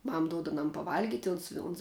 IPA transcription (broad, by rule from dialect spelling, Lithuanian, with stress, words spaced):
ˈmɐm ˈduɔt ɐˈnɐm pɐˈʋɐlʲɡʲɪtʲ ˈʊns ɪ ʊns